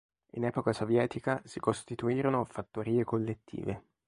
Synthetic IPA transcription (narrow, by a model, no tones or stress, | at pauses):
ḭnɛːpokasovjɛːt̪ikasikost̪it̪uiːɾonofat̪ːoɾiːekolːet̪ːḭːve